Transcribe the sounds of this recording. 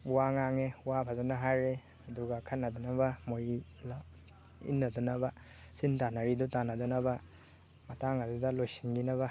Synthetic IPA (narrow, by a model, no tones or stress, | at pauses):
waŋaŋewapʰazanaɦajɾe | ɐduɡakʰanːadɔnabamojla | ḭnːadɔnaba | sintanaɾidutanadɔnaba | mataŋadudalojsi̥nɡinaβa